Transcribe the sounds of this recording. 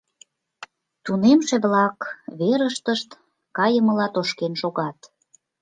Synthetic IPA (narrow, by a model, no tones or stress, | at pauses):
t̪unemʃeβlɑkβeɾəʃt̪əʃt̪ | kɑjəmə̆lɑt̪oʃkenʃoɣɑt̪